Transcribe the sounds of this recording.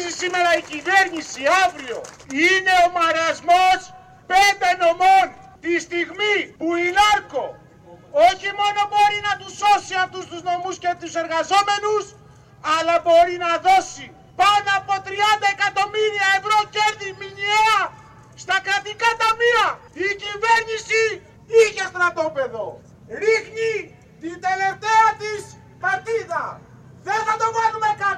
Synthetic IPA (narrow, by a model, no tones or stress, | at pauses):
zisime̞ɾɐicive̞ɾnisiavɾio̞ine̞omɐɾɐzmos | pe̞nd̪e̞no̞mo̞n | t̪ist̪iɣmipuinɐɾko̞ | oçimo̞no̞bo̞ɾinɐt̪uso̞siɐft̪ust̪uzno̞muscept̪use̞ɾɣɐzo̞me̞nus | ɐlɐbo̞ɾinɐðo̞si | pɐnd̪ɐːpo̞t̪ɾiɐnd̪ɐekɐt̪o̞miɾiɐe̞vɾo̞ceɾðimiɲieɐ | st̪ɐkɾɐt̪ikɐt̪ɐmiɐ | icive̞ɾɲisi | içest̪onɐt̪opeðo̞ | ɾixni | t̪ind̪e̞le̞ft̪eɐt̪is | pɐt̪iðɐ | ðenθɐt̪oɣɐnumekɐ